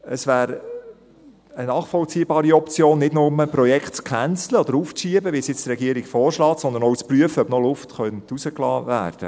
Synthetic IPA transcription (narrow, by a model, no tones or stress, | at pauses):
əsvæːɾ | ənɑːχfɔlt͡siːbɑːɾiɔpt͡sjoːnːɪtnʊməpɾɔjɛkχtt͡skʰænt͡sləɔd̥əɾuːfʃiəbəʋisjɪt͡st̪ɾɛɡiəɾiɡfɔːɾʃlɑːtsɔnd̪ənɔwt͡spryəfəœbnɔlʊftχœntusəklɑ̰ːvæ̰ːɾd̥ə̰